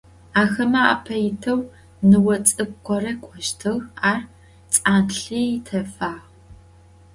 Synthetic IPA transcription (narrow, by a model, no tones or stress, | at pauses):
aːxɐmɐa̰ːpʰɐjɪtʰɐw | nɨwɐt͡sʼɨb̚qʷʰɔrɐkʷʼɔʃtʰɨɣaːr | t͡sʼaːnɬiːjtʰɐfaːʁ